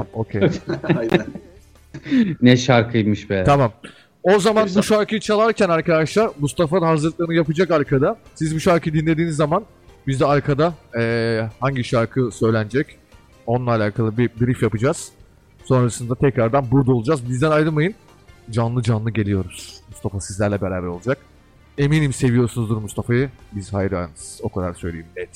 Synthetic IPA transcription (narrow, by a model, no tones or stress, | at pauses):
okʰej | nɛʃaɾkʰɯjmɯʃbɛt̪ʰamam | o̞zamanbuʃaɾkʰɯjɯt͡ʃʰalˠaɾcʰænaɾkad̪aʃlˠaɾmust̪ʰafad̪aɦazɯɾlˠɯk̪̚ˠaɾɯnɯjapɯd͡ʒakaɾkʰad̪asizbuʃaɾkʰɯjɯd̪inlʲeiːnizːaman | bizd̪ɛaɾkʰad̪aɛːhaɲɟiʃaɾkʰɯsø̞jlʲænd͡ʒɛc | o̞nlˠaːlʲaːkʰalˠɯbibiɾifjapɯd͡ʒaz̥ | so̞nɾasɯnd̪at̪ʰɛcɾaɾd̪anbuɾd̪aolˠud͡ʒazbizd̪ænajɾɯnmajɯn | d͡ʒanlˠɯd͡ʒanlˠɯɟe̞lʲijo̞ɾuz̥must̪ʰafasizlʲæɾlʲɛbeɾaːbæɾo̞lˠud͡ʒak̚ | e̞miːnimse̞vijo̞ɾsunuzd̪uɾmust̪ʰafajɯbizhajɾa̰jnɯz̥o̞kʰad̪a̰ɾsø̞jlʲejimɛt̪